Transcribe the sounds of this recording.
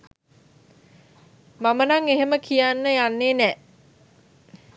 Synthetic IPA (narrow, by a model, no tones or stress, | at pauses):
mamənaŋeɦeməkʰijanːəjanːeːnɛʔ